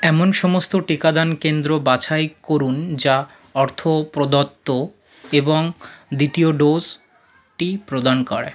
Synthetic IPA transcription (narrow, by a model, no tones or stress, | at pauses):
ɛmonʃɔmost̪oʈikad̪ankend̪ɾobat͡ɕʰajkoɾund͡ʑa | ɔɾt̪ʰopɾod̪ot̪ːo | eboŋd̪it̪ioɖoz | ʈipɾod̪ankɔ̰ɾḛ